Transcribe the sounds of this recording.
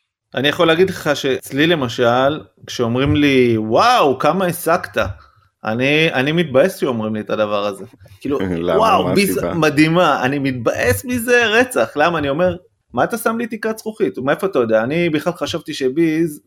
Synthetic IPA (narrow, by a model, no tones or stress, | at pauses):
anijaχo̞leaːɡidleχaʃe̞t͡slile̞maʃal | kʃeo̞mʁimliwawkamaesakt̪a | a̰nianimit̪̚baje̞sʃeo̞mʁimlietad̪avaʁaze̞kiːlulwawbizmadimaa̰nimit̪̚baʔesmize̞ʁet͡saχlamaːnio̞me̞ʁ | maːt̪asamlit̪ikat͡sʁuχit̪mae̞foat̪ajod̪eaːnibiχlalχaʃavt̪iʃe̞biz